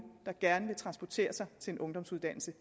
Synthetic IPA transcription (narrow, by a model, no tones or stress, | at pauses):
d̥ɑ̈ɡ̥æɐnəʋe̝t͡sʰʁɑ̈nsb̥ɒt͡sʰe̝̰ːɐsɑ̈ɪt͡sʰe̝e̝nʔɔ̽ŋd̥ɒ̽msuðˠd̥æn̰l̩sə